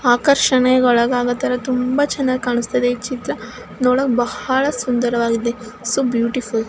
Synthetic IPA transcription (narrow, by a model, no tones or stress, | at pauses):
aːkɐɾʃɐɳeɔɭɐɡaːɡɐt̪ɐɾɐt̪umbat͡ʃɛnːɐɡkaːɳust̪ɐd̪eit͡ʃit̪ɾɐ | noːɽɐkbɐhɐɭɐsund̪ɐɾɐʋaːɡid̪ːesubjuːʈiful